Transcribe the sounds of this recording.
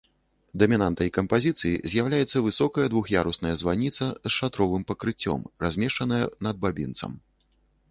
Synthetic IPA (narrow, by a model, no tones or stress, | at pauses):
d̪ɐmʲinant̪ɐjkɐmpazʲit̪sɨjḭzʲjawlʲajɛt̪sːɐvɨsɔkɐjɐd̪vuxjaɾusnɐjɐzvanʲit̪sɐsʂat̪ɾɔvɨmpɐkɾɨt͡sʲːɔ̰mrazʲmʲɛʂt͡ʂɐnɐjɐnɐd̪̚babʲḭnt̪sɐ̰m